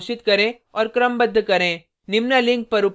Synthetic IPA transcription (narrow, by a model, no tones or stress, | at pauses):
ʃit̪kɐɾẽː | ɔɾkɾɐmbɐd̪ːɯkɐɾẽ | nɪmnɐliŋk̚pɐɾɯp